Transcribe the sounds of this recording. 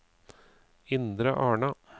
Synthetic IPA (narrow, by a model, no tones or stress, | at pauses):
ɪnd̪ɾəʔɑːɳɑ